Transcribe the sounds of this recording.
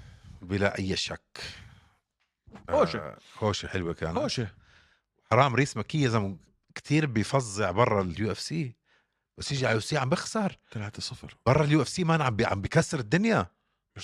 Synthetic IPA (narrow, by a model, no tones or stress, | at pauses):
bɪlaʔajːʃakː | oːʃhoːʃiħɪlwika̰ːnoːʃ | wħɑɾˤɑːmɾiːsmakɪjːaʔzamːa | kt̪iːɾbɪjfɑzˤːɪʕbɑrˤːɑljuːʔɛfsiː | basjɪʒiʕaljuːfsiːʕambɪxsɑɾˤt̪alaʕt̪sˤːɑfɾˤbɑrˤːɑljuːʔɛfsiːmaʔanʕambʕa̰mbikasːɪɾɪd̪ːʊnja